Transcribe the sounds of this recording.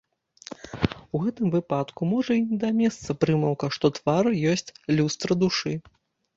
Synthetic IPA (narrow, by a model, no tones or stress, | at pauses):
uɣɛt̪ɨmvɨpat̪kumɔʐɐinʲɛd̪ɐmʲɛst̪sɐpɾɨmɐwkɐʂt̪ɔt̪varjɔsʲt͡sʲlʲust̪ɾɐd̪uʂɨ